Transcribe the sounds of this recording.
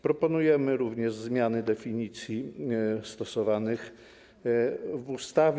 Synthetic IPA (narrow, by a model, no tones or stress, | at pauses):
pɾɔpɔnujɛmɘɾuvɲɛʐzmʲjanɘd̪ɛfʲiɲit̪sʲjist̪ɔsɔvanɘx | vust̪avʲ